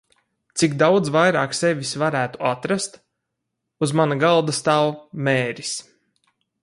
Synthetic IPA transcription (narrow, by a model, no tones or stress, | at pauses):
t̪sikd̪awd̪zvajɾaːksevʲisvaɾæːt̪uat̪ɾast̪ | uzmanaɡalˠd̪ast̪awmeːɾʲis